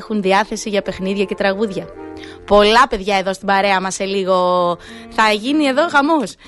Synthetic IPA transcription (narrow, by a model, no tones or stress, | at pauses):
xunðiɐθe̞siʝɐpexniðʝɐce̞t̪ɾɐɣuðʝɐ | po̞lɐpe̞ðʝɐe̞ðost̪ibɐɾe̞ɐmɐseliɣo̞ | θɐʝinie̞ðo̞xɐmos